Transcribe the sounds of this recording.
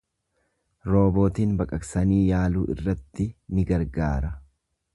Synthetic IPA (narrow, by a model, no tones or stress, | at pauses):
ɾo̞ːbo̞ːt̪iːnbɐkʼɐksɐniːjaːluːʔɪ̰rːɐt̪ːɪnɪɡɐɾɡaːɾɐ